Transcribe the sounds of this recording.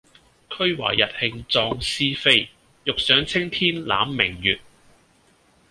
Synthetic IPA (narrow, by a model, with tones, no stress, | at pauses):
kʰɵ˥ɥwa̰ː˨˩jːɐ˨t̚hɪ˧ŋt͡sɔː˧ŋsiː˥fe˥j | jʊ˨k̚sœː˨˥ŋt͡sʰɪ˥ŋt̪ʰiː˥nla̰ː˨˥mːɪ˨˩ŋjyː˨t̚